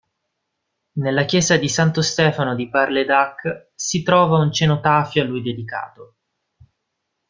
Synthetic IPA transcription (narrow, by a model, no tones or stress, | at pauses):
nelːakjɛːzad̪isant̪ost̪ɛːfanod̪iparled̪akː | sit̪ɾɔːvaunt͡ʃenot̪aːfjoalːujd̪ed̪ika̰ːt̪o